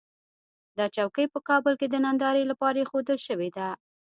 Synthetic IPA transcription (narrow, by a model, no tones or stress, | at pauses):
d̪ɑt͡ʃawkəjpəkɑbəlked̪ənand̪ɑɾəjlapɑɾaxod̪əlʃəwed̪a